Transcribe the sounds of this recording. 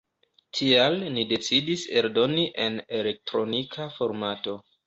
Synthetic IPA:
tʰialnide̞t͡sidise̞ɾdo̞niʔe̞ne̞le̞k̚tɾo̞nikʰafo̞ɾmato̞

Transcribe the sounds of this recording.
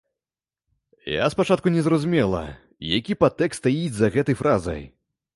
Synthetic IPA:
ja̰spat͡ʂat̪̚kunʲɛzɾɐzumʲɛlˠɐ̰ | jakʲipat̪ːɛkst̪ajid͡zʲzɐɣɛt̪ɐjfɾʔazɐ̰j

